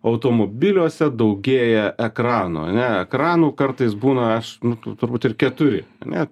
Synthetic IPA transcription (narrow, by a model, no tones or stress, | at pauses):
ɐʊt̪oːmoːbʲɪlʲuɔsʲɛd̪ɐʊɡʲeːjɛʔɛkɾɑːnṵːɐ̰nʲɛɛkɾɑːnuːkɐɾt̪ɐɪsbuːnɐɐʃnʊt̪ʊɾbuːt̪ɪrkʲɛt̪ʊɾʲɪɐ̰nʲɛ